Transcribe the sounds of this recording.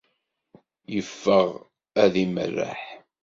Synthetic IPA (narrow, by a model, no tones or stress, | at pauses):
jəfːəʁ | æðimə̰rːa̰ħ